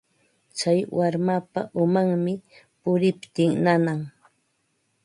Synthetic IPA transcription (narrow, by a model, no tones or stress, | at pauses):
t͡ʃajwaɾmapa̰ʔʊmaŋmɪ | pʊɾɪpt̪ɪŋnanaŋ